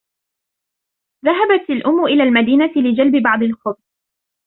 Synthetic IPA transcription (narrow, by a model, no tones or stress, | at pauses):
ðaɦabat̪alʔʊmːʊʔɪlaːlmad̪iːnalɪd͡ʒalbɪbɑʕd̪ˤɨlxʊbs